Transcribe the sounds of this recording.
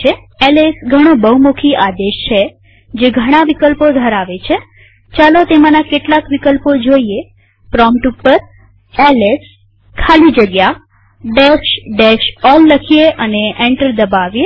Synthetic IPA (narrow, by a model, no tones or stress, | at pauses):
e | elesɡʱəɽ̃obəumokʰiʔad̪eʃt͡ʃʰe | d͡ʒeɡʱəɽ̃aʋikəlpod̪ʱəɾaʋet͡ʃʰe | t͡ʃalot̪emãnakeʈlakʋikəlpod͡ʒoie | pɾɔmʈupːəɾ | eles | kʰalid͡ʒəɡja | ɖeʃɖeʃɔlːəkʰijeʔəneʔeɳʈəɾd̪əbaʋje